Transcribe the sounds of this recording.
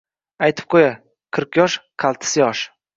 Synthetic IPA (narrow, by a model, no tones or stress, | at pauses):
ajt̪ʰɪp̚qʰoja | qʰɨɾqjɒʃqʰɑlˠt̪ʰɪ̥sjɒʃ